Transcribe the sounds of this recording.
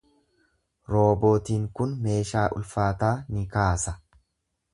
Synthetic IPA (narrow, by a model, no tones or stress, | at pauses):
ɾo̞ːbo̞ːt̪iːŋkʊnme̞ːʃaːʔʊ̰lfaːt̪aːnɪkaːsɐ